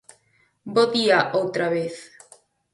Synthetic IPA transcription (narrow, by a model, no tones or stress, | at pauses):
boðiaʔowt̪ɾaβeθ